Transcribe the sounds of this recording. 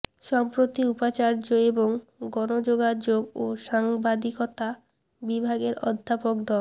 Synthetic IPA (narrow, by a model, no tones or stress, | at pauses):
ʃɔmpɾot̪iupat͡ɕaɾd͡ʑoeboŋɡɔnod͡ʑoɡad͡ʑoɡoʃaŋbad̪ikot̪a | bibʱaɡeɾɔ̰d̪ʱːapokd̪ɔl